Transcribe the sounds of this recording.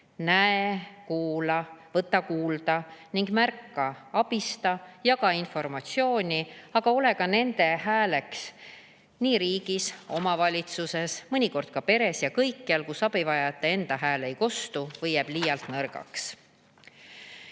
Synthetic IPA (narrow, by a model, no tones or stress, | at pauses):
næekuːlɑvɤt̪ːˑɑkuːld̪̥ɑniŋɡ̥mærkːɑɑb̥ist̪ɑjɑɡ̥ɑinfo̞rmɑt̪sio̞ːnʲiɑɡ̥ɑo̞le̞kɑne̞nd̪e̞ɦæːle̞ks | niːɾiːɡ̥iso̞mɑvɑlʲit̪suse̞smɤnʲiko̞rd̪̥̚kɑpe̞ɾe̞sjɑkɤjkːiɑlkusɑb̥ivɑjɑt̪ːˑe̞e̞nd̪̥ɑɦæːle̞jko̞st̪uvɤjeb̥lijɑlt̪nɤrɡ̥ɑ̰ks